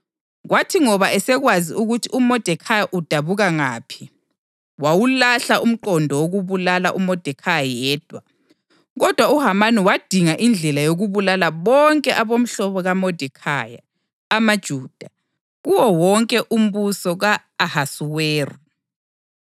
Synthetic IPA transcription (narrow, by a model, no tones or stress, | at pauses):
ɣwʔatʰiŋɔβaʔɛsɛɣwaziuɣutʰiumɔd̥ʱɛkʰajaʔud̥ʱaβuɣaŋaːpʰi̥ | wawulaɬaum̩ǃɔndʱɔwoɣuβulalaʔumɔd̥ʱɛkʰajaajɛːd̥ʱwa | ɣɔd̥ʱwauɦamaniwad̥ʱiŋaʔind͡ɮʱɛlajoɣuβulalaβɔŋkʼɛʔaβom̩ɬɔβɔɣamɔd̥ʱɛkʰa̰ja̰ː | mad̥ʒ̥ʱuːd̥ʱa | ɣuwɔwɔŋkʼɛʔum̩βusɔɣaː | hasuweːrɔ